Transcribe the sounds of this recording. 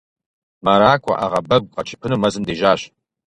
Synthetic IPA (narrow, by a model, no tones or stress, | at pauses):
mɐɾaːkʷʼɔ̰ʔaʁɐbɐɡʷqɐt͡ʃʰɪ̥pʰɨnɨmɐzɨndeːʒaːɕ